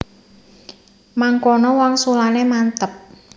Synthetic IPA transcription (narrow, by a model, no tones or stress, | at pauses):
maŋkɔnɔwaŋsulanemant̪əp̚